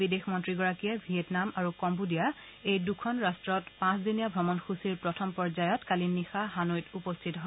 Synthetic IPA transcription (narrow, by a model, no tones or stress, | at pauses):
bidexmɔntɹiɡɔɹakiɛbʱietnamaɹukɔmbudija | ejdukʰɔnɹastɹɔtpãszinijabʱɹɔmɔnxʰusiɹpɹɔtʰɔmpɔɹzajɔtkalinːixaɦanojtupɔstʰitɔɦo